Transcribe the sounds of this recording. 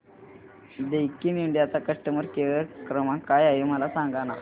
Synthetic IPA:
d̪ejkiniɳɖijat͡sakəʂʈəməɾkeʋəɾkɾəmãkajaɦeməlasãŋɡana

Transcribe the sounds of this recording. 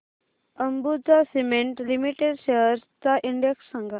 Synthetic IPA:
əmbud͡zasimeɳʈlimiʈeɖʃeɦəɾt͡saʔiɳɖeksːəŋɡʱa

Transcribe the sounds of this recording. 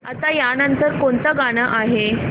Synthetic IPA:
at̪ajanənt̪əɾkont̪əɡaɽ̃əʔaɦe

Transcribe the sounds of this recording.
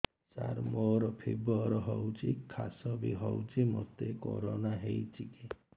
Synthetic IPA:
sa̰ɾmoɾɔpʰibɔɾɔɦɔwt͡ʃʰikʰasɔbiɦɔwt͡ʃʰimɔt̪eko̰ɾɔnaɦejt͡ʃʰiki

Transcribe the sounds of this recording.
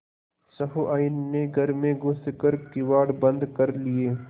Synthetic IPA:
sɐɦuʔaːinmeɡʱɐɾmẽɡʊst̪kɐɾkiwaːɖbɐ̃nd̪kɐɾlieː

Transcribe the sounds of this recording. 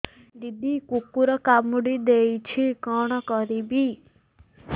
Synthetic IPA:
d̪id̪ikukːuɾɔkamuɽid̪ejt͡ʃʰikɔɽ̃ɔkɔɾibi

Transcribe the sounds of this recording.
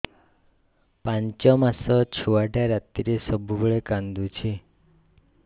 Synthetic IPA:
pãɲt͡ʃɔmasɔt͡ʃʰuʋaʈaɾat̪ːiɾesəbʱubəɭekãnd̪ut͡ʃʰe

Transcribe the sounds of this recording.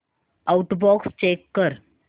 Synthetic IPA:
auʈbɔkst͡ɕekːəɾ

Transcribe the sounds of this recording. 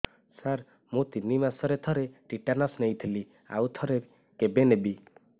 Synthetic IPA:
saɾ | mũt̪inːimasɔɾet̪ʰɔɾeʈiʈanɔsnejt̪ʰeli | a̰wt̪ʰɔɾe | kebenebi

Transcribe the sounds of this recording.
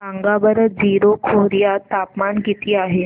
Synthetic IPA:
aŋɡabəɾəd͡ziɾokʰoɾijat̪apmanɡit̪iːaɦe

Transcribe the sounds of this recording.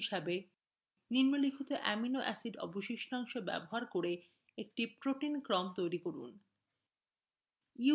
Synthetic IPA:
iʃabe | niɾmolikʰut̪oʔɛ̰minoʔɛ̰siɖɔ̰boʃikʃɔŋʃobɛ̰boɦaɾkoɾe | ek̚ʈipɾoʈinkɾɔmt̪ojɾikoɾṵn | iu

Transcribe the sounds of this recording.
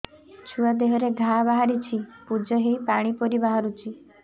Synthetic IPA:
t͡ʃʰuad̪eɦɔɾeɡʱabaɦaɾit͡ʃʰipud͡ʒɔɦipaɽ̃ipɔɾibaɦaɾut͡ʃʰi

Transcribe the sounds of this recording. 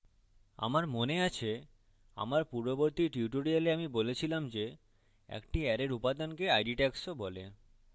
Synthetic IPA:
a̰maɾmoneat͡ɕʰe | a̰maɾpuɾboboɾt̪iʈiuʈoɾialeamibolet͡ɕʰilamd͡ʑe | ɛ̰kʈiɛɾeɾupad̪ankeajɖiʈɛksobole

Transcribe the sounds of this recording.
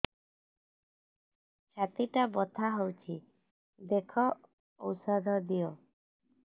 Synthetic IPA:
t͡ʃʰat̪iʈabɔt̪ʰaɦowt͡ʃʰi | d̪ekʰɔ | owsɔd̪ʱɔd̪ijɔ

